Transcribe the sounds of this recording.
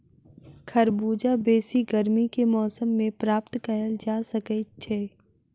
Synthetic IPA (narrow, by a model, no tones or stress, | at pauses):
kʰɐɾbuːd͡ʒabeːsiɡəɾmikemɔːsəmːẽpɾaːpt̪kɐɦəld͡ʒaːsɐkət͡ʃʰeː